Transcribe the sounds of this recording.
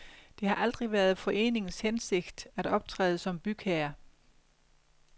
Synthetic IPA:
d̥e̝hɑ̈ʔæl̰d̥ʁiʋæɐðˠfɒ̽ʔe̝̰ːne̝ŋn̩shense̝ɡ̥d̥æɾ̥ɒ̽b̥̚t͡sʰʁɛ̰ːð̞̩ˠəsɒ̽mb̥yɡ̥ʰæɐ

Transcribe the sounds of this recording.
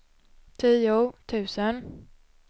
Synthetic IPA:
t̪ʰiːʊt̪ʰʉ̟ːsən

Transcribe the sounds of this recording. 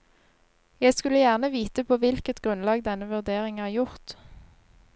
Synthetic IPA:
jæɪskʉləjæʁnəʋiːt̪əpʰoːʋɪlkət̪ɡ̥ʁʉnlɑːɡd̪ɛnəʋʉʁd̪eːʁɪŋæːʁjʊʁt̪

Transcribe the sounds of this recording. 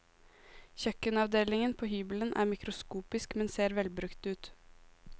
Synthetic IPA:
çœkənɑʋd̪eːlɪŋənpʰoːhyːbələnʔæ̰ːɾmɪkɾʊskuːpɪskmɛnseːɾʋɛlbɾʉkt̪ʉːt̪

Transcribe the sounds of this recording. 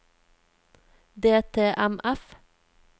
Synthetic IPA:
d̪eːt̪ʰeːʔæmʔæf

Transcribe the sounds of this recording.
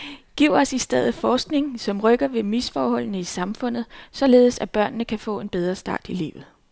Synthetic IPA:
ɡ̥iʊ̰ɒ̽sisd̥eð̞̰̩ˠfɒːsɡ̥ne̝ŋsɒ̽mʁœɡ̥ɐʋe̝misfɒːhɒ̽l̰nəisɑ̈mfɔ̽n̰ð̩ˠsɒ̽le̝ːð̩ˠsæb̥ɶɐ̰nːəkʰæfɔ̰̽ːe̝nb̥eð̞ˠʁɐsd̥ɑ̰̈ːd̥ilḭːʊð̞̩ˠ

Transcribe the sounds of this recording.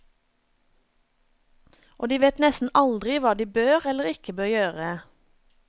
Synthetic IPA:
ʔoːd̪iːʋeːt̪nɛst̪n̩ʔɑld̪ʁɪʋɑːd̪iːbøːʁɛləʁɪkəbøːʁjøːʁə

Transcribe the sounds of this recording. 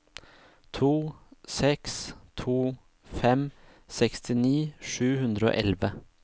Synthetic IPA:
t̪ʰuːsɛkst̪ʰuː | fɛm | sɛkst̪ɪniːʂʉːhʉnd̪ɾəo̰ːʔɛlʋə

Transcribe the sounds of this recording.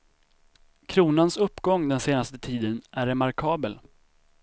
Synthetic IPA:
kʰɾuːnansɵpːɡɔŋːd̪ɛnseːnast̪ət̪ʰiːd̪ənʔæɾɛmaɾkʰɑːbəl

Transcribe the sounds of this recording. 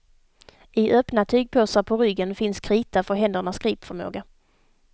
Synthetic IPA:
ʔɪʔœːpnat̪ʰyːɡ̚pʰoːsaɾpʰɔɾʏɡːənfɪnskʰɾiːt̪afəɾɦɛnd̪əɳaskɾiːpfœɾmo̰ːɡa

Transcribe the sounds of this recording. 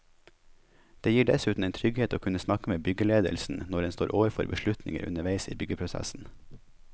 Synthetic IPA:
d̪̥eːjiːɖɛsʉːt̪n̩eːnt̪ʰɾʏɡheːt̪oːkʰʉnəsnɑkəmeːbʏɡəleːd̪ə̰lsn̩nɔɖɛnst̪oːɾʔoːʋəɾfɔɾbəʃɭʉt̪nɪ̰ŋə̰ɾʉ̰nəʋæɪsḭːbʏɡəpʰɾʊsæ̰sn̩

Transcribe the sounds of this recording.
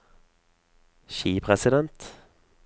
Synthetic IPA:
ʃiːpʰʁɛsɪd̪ɛnt̪

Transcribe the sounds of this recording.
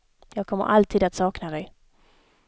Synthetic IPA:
jɑːɡ̚kʰɔmːə̰ɾʔalt̪ʰiːd̪at̪sɑːknad̪ɛj

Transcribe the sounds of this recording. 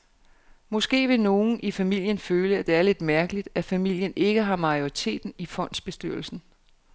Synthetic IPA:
mɒ̽sɡ̥e̝̰ːʋe̝no̝ːn̩ʔifæmil̰jənføːləæd̥e̝æɐle̝d̥mæɐɡ̥əlid̥æfæmil̰jəne̝ɡ̥əɦɑ̈mɑ̈ɪo̝ʁit͡sʰe̝̰ːd̥n̩ifɒ̽n̰d̥sb̥e̝sd̥yɐ̰l̩sn̩

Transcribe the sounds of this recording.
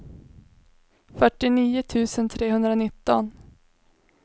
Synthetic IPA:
fœʈːɪniːʊt̪ʰʉ̟ːsənt̪ʰɾeːɦɵnd̪ɾanɪt̪ːɔn

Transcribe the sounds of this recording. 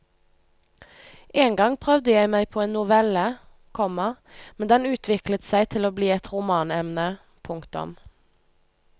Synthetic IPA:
ʔeːŋɡɑŋpʰʁœʋd̪əjæɪmæɪpʰoːeːnnʊʋɛlə | kʰɔmɑ | mɛnd̪ɛnʉːt̪ʰʋɪklət̪sæɪt̪ʰɪloːbliːɛt̪ʁʊmɑːnɛmnə | pʰʊŋkt̪ʊ̰m

